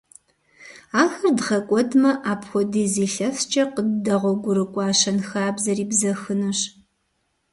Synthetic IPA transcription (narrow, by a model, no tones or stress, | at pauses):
aːxɐrdʁɐkʷʼɔdmɐʔaːpxʷɔdiːziːɬɐft͡ʃʼɐqədɐʁʷɔɡʷʊɾɨkʷʼɑːɕɐnxaːbzɐriːbzɐxɨnɨɕ